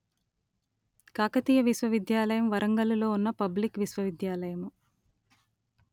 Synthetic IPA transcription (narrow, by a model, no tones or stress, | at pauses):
kaːkɐt̪iːjɐʋiʃʋɐʋid̪jaːlɐjɐmʋɐɾɐŋɡɐlulo̞ːunːɐpɐblikʋiʃʋɐʋid̪jaːlɐjɐmu